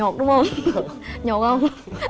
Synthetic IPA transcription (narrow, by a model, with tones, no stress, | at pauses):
ɔ˨˩t̚ɗʊ˨˦ŋ͡mhə˧wŋ͡m | ɲɔ˨˩k̚hə˧wŋ͡m